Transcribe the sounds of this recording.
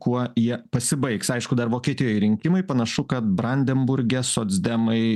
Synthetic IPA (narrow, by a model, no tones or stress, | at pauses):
kuɔjiɛpɐsʲɪbɐɪksɐɪʃkʊd̪ɐrʋoːkʲiɛt̪ʲɪjoːjɾʲɪŋʲkʲɪmɐɪpɐnɐʃʊkɐt̪̚bɾɐnʲd̪ʲɛmbʊɾʲɡʲɛsoːd̪zʲd̪ʲɛmɐɪ